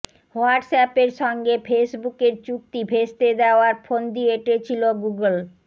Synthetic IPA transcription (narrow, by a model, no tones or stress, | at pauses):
hoaɖsɛpeɾʃɔŋɡefesbukeɾt͡ɕuk̚t̪ibʱest̪ed̪eoaɾfond̪ieeʈet͡ɕʰiloɡuɡəl